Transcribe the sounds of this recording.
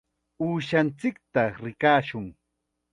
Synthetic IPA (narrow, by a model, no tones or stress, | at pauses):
uːʃant͡sɪk̚t̪aɾɪkaːʃʊŋ